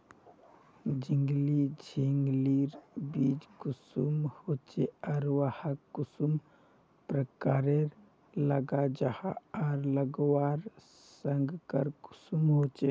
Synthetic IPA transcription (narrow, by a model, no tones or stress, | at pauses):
d͡ʒiŋɡlid͡ʒʱiŋɡliɾbiːd͡ʒkʊsumhot͡ʃeɔɾwahəkːʊsum | pɾəkaːɾeɾ | ləɡad͡ʒahaɔːɾləɡwaːɾ | səŋɡkəɾkʊ̥sumɦot͡ʃe